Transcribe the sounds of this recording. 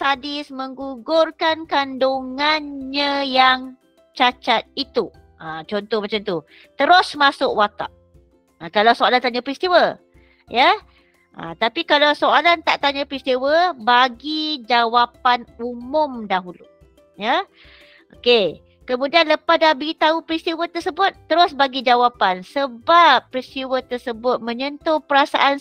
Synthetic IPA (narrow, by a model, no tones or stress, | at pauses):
sadɪsməŋɡuɡʊrkankandoŋanɲəjaŋ | t͡ʃat͡ʃat̪̚it̪u | ət͡ʃɔnt̪ɔhmat͡ʃamt̪u | t̪əɾʊsmasʊkwat̪a̰ʔ | əkalawsoalant̪aɲapɾist̪iwə | jə | ʔə̰t̪apikalawsoalant̪aʔt̪aɲəpɾist̪iwəbaɡid͡ʒawapanumʊmdaɦulṵ | jə | ʔoke | kəmũdianləpadabiit̪aupɾist̪iwət̪əsəbʊt̪ːəɾʊsbaɡid͡ʒawapansəbap̚ːɾist̪iwət̪ərsəbʊt̪̚mə̃ɲənt̪opəɾasa̰ʔan